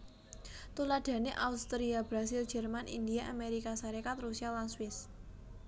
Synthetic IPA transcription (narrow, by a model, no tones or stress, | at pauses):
t̪ulaɖ̥a̤neʔaust̪ɾiabɾasild͡ʒɛ̤rmanḭnd̪iaʔameɾikasaɾikat̪rusialanswɪs